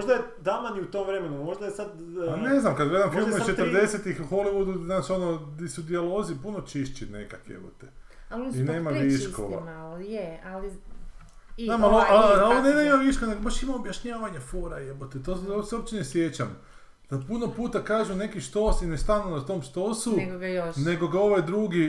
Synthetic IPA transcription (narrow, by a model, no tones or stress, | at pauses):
moʒd̪ajed̪amaniut̪omvɾe̞menumoʒd̪ajesad̪ | ane̞znamkad̪ɡled̪amxoimit͡ʃet̪ɾ̩d̪e̞set̪ixuxo̞liʋud̪uznaːt͡ʃo̞nod̪isud̪ialˠozipuno̞t͡ʃiʃt͡ɕinḛka̰kjḛbo̰t̪e | aline̞ːmaʋiʃko̰mjeali | naːmaloaloʋonenaimaʋiʃkoneɡobaʃimaobjaʃɲaːʋaɲafoːɾajebot̪et̪ososeobt͡ɕenesʋje̞t͡ɕam | d̪̥apuno̞puːt̪akaːʒune̞kiʃt̪o̞ːsinest̪anunat̪o̞ːmʃt̪o̞suɡoɡjone̞ɡo̞ɡao̞ʋajd̪ɾuɡi